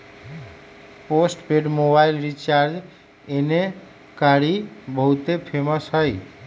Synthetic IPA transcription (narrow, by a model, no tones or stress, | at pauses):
posʈpeɖmobailɾit͡ʃaɾd͡ʒ | ene | kaɽibʱəɦut̪epʰeməsɦəj